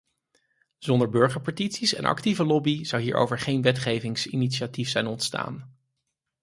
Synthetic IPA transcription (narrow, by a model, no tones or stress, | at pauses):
z̥ɔndəɹbøɹχəɹpatitsisɛ̰nɑ̰k̚tivəlɔbiz̥ɑwɦiːɹʔo̰wvəɹχejnʋɛtχejvɪŋsinitʃiatifsɛjnɔntsta̰ːn